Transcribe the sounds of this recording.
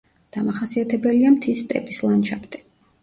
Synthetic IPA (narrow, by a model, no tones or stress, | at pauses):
d̪̥amaχasiat̪ʰɛbɛliamt̪ʰist̪ʼɛ̰pʼislˠanʃapʰt̪ʼɛ̥